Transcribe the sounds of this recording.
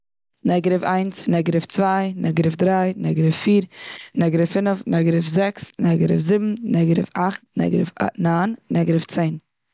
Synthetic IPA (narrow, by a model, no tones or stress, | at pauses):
nɛɡɾɪfaɪnsnɛɡəɾɪft͡svaɪnɛɡəɾəfdɾaɪnɛɡɾəfːiːɾnɛɡəɾəfɪnəfnɛɡəɾəfzɛksnɛɡəɾɪfzɪbm̩nɛɡəɾɪ̰faχt̚nɛ̰ɡɾə̰fanaːnnɛɡɾəft͡seɪn